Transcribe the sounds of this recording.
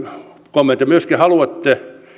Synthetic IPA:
komːent̪ːjɑmyøskihɑluɑt̪ːe

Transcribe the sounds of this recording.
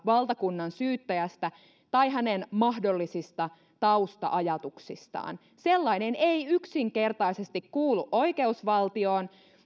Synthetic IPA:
ʋɑlt̪ɑkunːɑnsyːt̪ːæjæst̪æ | t̪ɑiɦænenmɑhdolːisist̪ɑ | t̪ɑust̪ɑ̰ʔɑjɑt̪uksist̪ɑ̰ːn | selːɑineneiyksiŋke̞rt̪ɑisest̪ikkuːlːuʔʔo̞ikeusʋɑlt̪io̞ːn

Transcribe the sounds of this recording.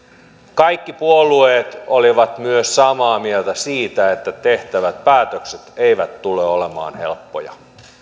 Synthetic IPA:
kɑjkːipuolːˑueːt̪oliʋɑt̪myøssɑmɑːmielt̪æsiːt̪æet̪ːæt̪e̞ht̪æʋæt̪̚pæːt̪økset̪eiʋæt̪tːuleolemɑ̰ːnhe̞̰lpːojɑ̰

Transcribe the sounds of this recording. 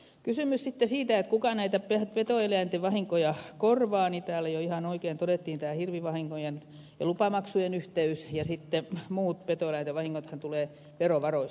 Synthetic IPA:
kysymyssit̪ːesiːt̪æet̪kukɑnæit̪æpepet̪oeleæˑnt̪eʋɑhiŋkojɑkorʋɑːnit̪æːlæjoihɑnoikeːnt̪odet̪ːiːnt̪æːhirʋiʋɑhiŋkojen | jɑlupɑmɑksujenyht̪eysjɑsit̪ːemuːt̪pet̪oˑelæˑnt̪eʋɑhiŋːot̪hɑnt̪uleː | ʋeroʋɑroi

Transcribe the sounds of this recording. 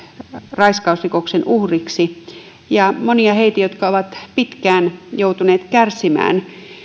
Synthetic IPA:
rɑiskɑˑusrikoksenuhriksi | jɑmoniɑheit̪æjot̪kɑoʋɑt̪pit̪kæːnjout̪uneːt̪kærsimæ̰ːn

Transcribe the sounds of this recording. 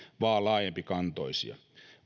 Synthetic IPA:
ʋɑːlɑːjempikɑnt̪o̰isḭɑ̰

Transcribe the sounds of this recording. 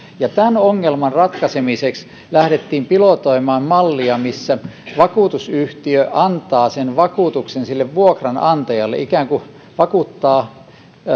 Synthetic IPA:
jɑt̪ænoŋːelmɑnrɑt̪kɑsemiseks | læhɾet̪ːiːmpilot̪oimɑːmmɑlːiɑmisːæʋɑkuːˑt̪usyht̪iøʔɑnt̪ɑːsenʋɑkuːˑt̪uksensilːeʋʋuokrɑnɑnt̪ɑjɑlːḛʔikæːŋku | ʋɑkut̪ːɑː

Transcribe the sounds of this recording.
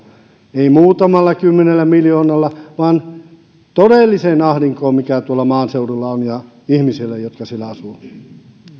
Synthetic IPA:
eimuːt̪ɑmɑlːɑkymːenelːæmiljoːnɑlːɑʋɑːn | t̪odelːiseːnɑhriŋkoːmmikæt̪uolːɑmɑːnseurulːɑonjɑ | ihmisilːæjot̪kɑsielːæɑsu

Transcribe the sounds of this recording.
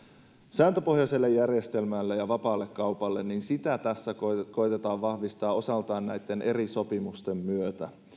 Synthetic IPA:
sæːnt̪ø̞po̞hjɑse̞lːejːærje̞st̪e̞lmælːejɑʋɑpɑːlːekːɑwpɑlːe̞nːinsit̪æt̪æsːækko̞jt̪e̞t̪ɑːʋʋɑhʋist̪ɑːo̞sɑlt̪ɑːnnæjt̪ːe̞nʔe̞ɾiso̞pimust̪e̞mːyøt̪æ

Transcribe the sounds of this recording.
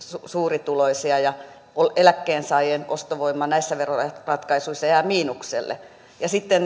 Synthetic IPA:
susuːrit̪uloisiɑjɑ | olelækːeːnsɑijeːnʔost̪oʋoimːɑnæisːæʋerorɑt̪kɑisuisːɑjɑmiːnuksḛlːḛ | jɑsit̪ːen

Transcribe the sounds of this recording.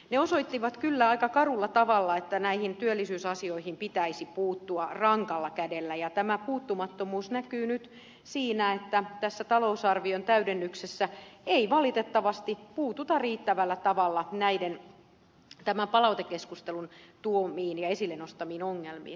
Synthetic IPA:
neosoit̪ːiʋɑt̪kylːæɑikɑkɑrulːɑt̪ɑʋɑlːɑet̪ːænæihint̪yølːisyːsɑsioihimpit̪æisipuːt̪ːuɑrɑŋkɑlːɑkædelːæjɑt̪æmæpuːt̪ːumɑt̪ːomuːsnækyːnyt̪ | siːnæet̪ːæt̪æsːæt̪ɑlousɑrʋiont̪æydenːyksesːæeiʋɑlit̪et̪ːɑʋɑst̪ipuːt̪ut̪ɑriːt̪ːæʋælːæt̪ɑʋɑlːɑnæiden | t̪æmæmpɑlɑut̪ekːeskust̪elunt̪uomiːnjɑesilːenost̪ɑmiːnoŋːelmḭːn

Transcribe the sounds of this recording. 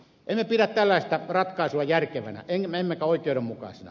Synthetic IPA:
ʔemmepiræt̪t̪ælːæˑist̪ɑrɑt̪kɑˑesuɑjærkeʋæ̰næ̰ʔeŋmemːekæoˑikˑeˑoɾemmukɑ̰ˑsenɑ̰

